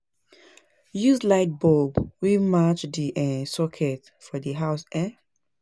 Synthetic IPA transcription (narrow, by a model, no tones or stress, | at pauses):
juslaɪt̚bobwimat͡ʃdiʔɛ̃sɔkʰɛt | fɔdiɦaʊsɛ